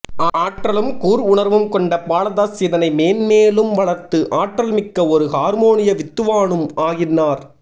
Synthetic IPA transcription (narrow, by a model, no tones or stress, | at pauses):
aːʈrɐlɯmkuːɾʊɳɐɾʋɯmkɔɳɖɐpaːlɐðaːsɪðɐnɐɪmeːnmeːlɯmʋɐɭɐɾt̪ɯʔaːʈrɐlmɪkːɐɔɾɯhaːɾmoːnɪjɐʋɪt̪ːɯʋaːɳɯmaːɣɪnːaːɾ